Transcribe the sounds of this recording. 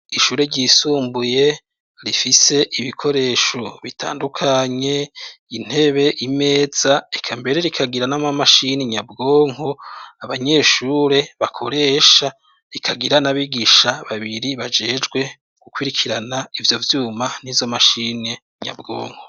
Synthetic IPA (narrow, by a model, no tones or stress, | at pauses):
iʃuːɾeɾɟiːsuːmbuje̞ | ɾifise̞ʔiβikʰo̞ɾe̞ːʃo̞βitʰa̰ːndukʰaɲe̞in̥he̞βe̞ʔime̞ːz̥aekʰambe̞ɾe̞ɾikʰaɡiɾanamamaʃineɲabɡo̞ːŋo̞aβaɲe̞ʃuːɾe̞βakʰo̞ɾe̞ːʃa | ɾikʰaɡiɾanaβiɡiʃaβaβiɾiβad͡ʒed͡ʒɡwe̞ | ɡ̥ukwiɾikʰiɾanaivjo̞vjuːman̥izo̞maʃine | ɲa̰bɡo̞̰ːŋ̥ho